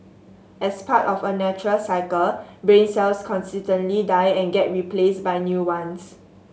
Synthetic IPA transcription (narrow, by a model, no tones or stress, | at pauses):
ɛspʰatɔfənɛt͡ʃuɹəlsaɪkəlbɹẽnsɛlskʰɔ̃nsitə̃ntlidajɛ̃nɡɛt̚ɹipʰlesbajnjuwãns